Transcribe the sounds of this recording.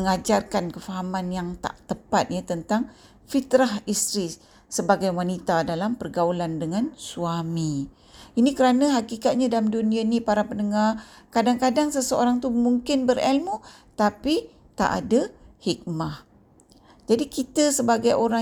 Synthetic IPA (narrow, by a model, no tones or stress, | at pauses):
əŋad͡ʒarkankəfaɦamanjaŋt̪a̰ʔt̪əpat̪̚ɲat̪ənt̪aŋ | fit̪ɾahist̪ɾi | səbaɡajwanit̪adalampərɡaulandəŋansuami | inikəɾanaɦakikat̪̚ɲadalamduniainipaɾapənəŋarkadaŋkadaŋsəsəo̰ɾaŋt̪umuŋkɪnbəɾɛlmu | t̪api | t̪a̰ʔa̰dahik̚mah | d͡ʒadikit̪əsəbaɡajʔoɾa